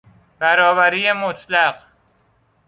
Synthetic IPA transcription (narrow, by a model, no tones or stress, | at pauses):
b̥æɾɒːvæɾiːjemot̪ʰlæɢ